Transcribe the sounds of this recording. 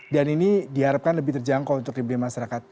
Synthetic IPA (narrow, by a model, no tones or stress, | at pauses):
daninidiɦaɾap̚kanləbɪiht̪ərd͡ʒaŋkaunt̪ʊk̚iblimaʃaɾakat̪̚